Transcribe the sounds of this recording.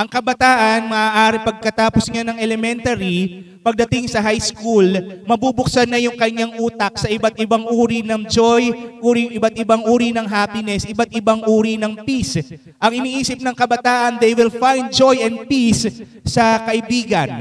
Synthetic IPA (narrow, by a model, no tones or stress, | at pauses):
ʔɐŋkɐbɐt̪aːʔɐnmɐʔaːʔaːɾɪpɐɡ̚kɐt̪aːposŋanɐŋɛlɛmɛnt̪ɐɾi | pɐɡ̚d̪ɐt̪ɪŋsɐɦajskulmɐbubʊksɐnɐjʊŋkɐɲaŋʔuːt̪ɐk̚sɐʔɪbat̪̚ʔɪbaŋʔuːɾinɐŋd͡ʒojʔuːɾijʊŋɪbat̪ɪbaŋʔuːɾinɐŋɦaːpɪnɛsʔɪbat̪ʔɪbaŋʔuːɾinɐŋpis | ʔɐŋʔɪniːʔiːsɪp̚nɐŋkɐbɐt̪aːʔɐnd̪ɛjwɪlfajnd̪̚d͡ʒojʔɛnd̪̚pis | sɐkɐʔɪbiːɡɐn